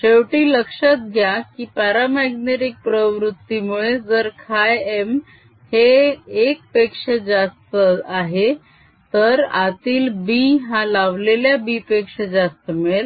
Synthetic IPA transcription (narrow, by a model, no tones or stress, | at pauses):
ɕewʈiːləkʂət̪̚ɡʱjakiːpaɾamaɡneɾik̚pɾəʋɾut̪ːimuɭed͡zəɾkʰajem | heːk̚pekʂəd͡zast̪əaɦe | t̪əɾa̰t̪iːlbiɦãlaʋleljabipekʂəd͡zast̪əmeel